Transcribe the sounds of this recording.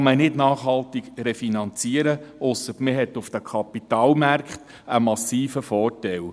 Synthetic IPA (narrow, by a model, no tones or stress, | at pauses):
mənɪdnɑːχhɑlt̪ɪɡɾɛfinɑnt͡siəɾəʊsətmɪɦɛt̪ʊfd̥̪əkʰɑpit̪ɑːlmærkχt̪ | əmɑsiːfəfɔːrtɛl